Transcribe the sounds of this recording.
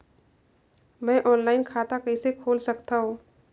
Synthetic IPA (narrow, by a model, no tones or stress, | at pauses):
mɛ̃ːʔɔːnlaːɪnkʰaːt̪akəɪsekʰoːlsɐkt̪aɦõː